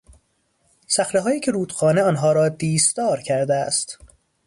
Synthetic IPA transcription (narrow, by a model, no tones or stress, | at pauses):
sæxɾeɦɒːjiːcʰeɾuːd̪̥xɒːneɒːnɦɒːɾɒːd̪iːsd̪ɒːɾcʰæɾd̪eæst̪